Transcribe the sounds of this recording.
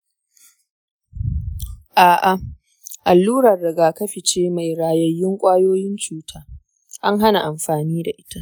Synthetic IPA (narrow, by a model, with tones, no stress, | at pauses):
ʔaː˨ʔa˨ | ʔa˨lːuː˦ɾɐ˨rːɪ˨ɡaː˨kɐ˦ɸɪ˨t͡ʃeː˦ma˨jɾaː˨jɐ˦jːɪ˦ŋkʷʼaː˦joː˦jɪ˦nt͡ʃuː˦tʰaː˦ | ʔa˦ŋɦa˦na˨ʔa˨mɸaː˨niː˦da˨ʔɪ˦ta˦ʔ